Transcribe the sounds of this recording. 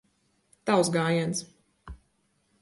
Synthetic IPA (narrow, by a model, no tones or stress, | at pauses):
t̪awsɡaːjɛns